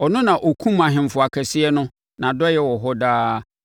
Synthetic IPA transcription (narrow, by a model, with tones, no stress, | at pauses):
ɔ˨nʊ̃˦nã˨ʔo˨kʰũ˦mã˨ɦɪ̃˨m˨fʊ˨a˨kʰɛ˨sɪ˦ɛ˦nʊ̃˦ | nã˨dɔ˦jɛ˦wɔ˨ɦɔ˦daː˦